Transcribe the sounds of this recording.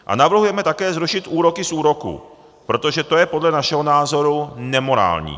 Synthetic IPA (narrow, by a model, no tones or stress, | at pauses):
ʔa̰navr̩ɦujɛmɛt̪akɛːzɾuʃɪt̪ʔuːɾo̞kɪsʔuːɾo̞kṵ | pɾo̞t̪o̞ʒɛt̪o̞jɛpo̞dlɛnaʃɛɦonaːzo̞ɾunɛmo̞ɾa̰ːlɲḭː